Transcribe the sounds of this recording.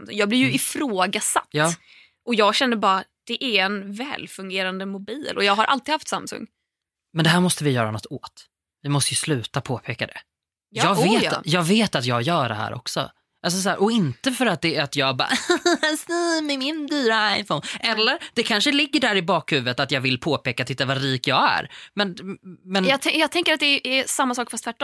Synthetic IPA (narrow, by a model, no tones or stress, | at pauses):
msɵ̰ŋjɑːɡblɪɾjɵɪfɾoːɡasa̰t̪jɑː | ʔɔjɑːɡɕɛnːəbɑːɾad̪̥ɛʔæɾɛnvɛ̰ːlfɵŋɡeːɾand̪əmʊbiːlʔɔjɑːɡɦaɾʔa̰lt̪ɪɡhaft̪samsɵ̰ŋː | mɛnd̪ɛɦæːɾmɔst̪əvɪjœːɾanɔt̪ʰːoːt̪ | vɪmɔst̪əjɵslʉ̟ːt̪apʰoːpʰeːkad̪ɛ̰ | ɑːɡvḛːjɑːɡveːt̪at̪jɑːɡjœːɾɛ̰ɦæ̰ːɾʔɔ̰ksɔ̰ | ʔals̬ɔs̬æːɾʔɔɪnt̪əfœɾat̪̚d̪ɛat̪jɑːɡbɑ̰ːsniːmɪmɪnd̪yːɾaaɪfɔʊnʔɛlːəɾd̪ɛkʰanʂəlɪɡːəɖæɾɪbɑːkhʉ̟ːvət̪at̪jɑːvɪlpʰoːpeːkat̪ʰɪt̪ːavɑɾiːkjɑːɡæ̰ɾmɛnmɛnjɑːt̪ʰɛjɑːɡt̪ʰɛŋkəɾat̪d̪ɛʔɛsamːasɑːkfast̪væʈːɔ